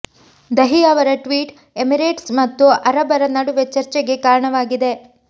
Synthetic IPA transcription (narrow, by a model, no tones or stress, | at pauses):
d̪ɐɦiɐʋɐɾɐʈʋiːʈ | emiɾeːʈsmɐt̪ːuɐɾɐbɐɾɐnɐɽuʋet͡ʃɐɾt͡ʃeɡe̞kaːɾɐɳɐʋaːɡid̪e̞